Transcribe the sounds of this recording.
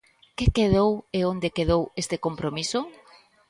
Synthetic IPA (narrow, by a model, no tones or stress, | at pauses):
kekeðoweond̪ekeðowest̪ekompɾomiso